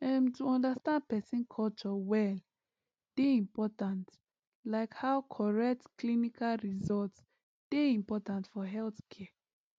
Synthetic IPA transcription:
ɛ̃mtuɔ̃ndastãnd̚pɛsĩnkʰɔlt͡ʃɔwɛl | d̥eĩmpɔtãnt | laɪkhawkʰɔɹɛk̚tklinikʰalɹizɔlts | d̥eĩmpɔtãntfɔɦɛlθkʰɛə

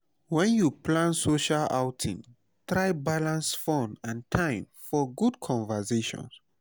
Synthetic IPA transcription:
wɛ̃njuplãnsoʃala̰ʊtʰḭ̃ŋ | tɹajbalãnsfɔ̃nãntʰãɪ̃mfɔɡudkʰɔ̃nvəseʃɔ̰̃ns

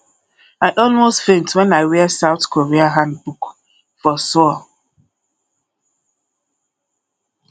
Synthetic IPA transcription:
aɪʔɔlˠmostfẽntwɛ̃naɪwɛsaʊθkʰoɹiaɦãnd̚buk | fɔsɔ

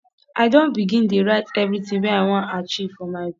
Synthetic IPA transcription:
ʔaɪdõnbiɡĩndeɹaɪtɛvɾitɪ̃wɛ̃naɪwãntat͡ʃiv̥fɔmaɪ

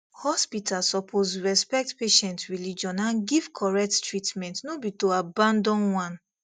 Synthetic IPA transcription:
hɔspitalsɔpʰosɹɛspɛk̚tpeʃɛ̃ntɹilid͡ʒɔ̃nãnɡiv̥kʰɔɹɛk̚ttɹitmɛ̃ntnobitoabãndɔ̃nwãn

